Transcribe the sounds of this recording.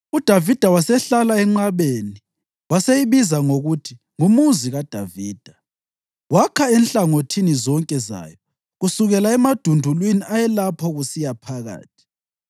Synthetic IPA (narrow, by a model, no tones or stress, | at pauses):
ud̥ʱavid̥ʱawasɛɬalaɛŋ͡ǁaβeni | wasejiβizaŋoɣutʰi | ŋumuziɣad̥ʱaviːd̥ʱa | wakʰaɛnɬaŋotʰinizɔŋkʼɛza̰jɔ | ɣusuɣɛlaɛmad̥ʱundʱulwiniʔajɛlapʰɔɣusijapʰaɣa̰ːtʰi̥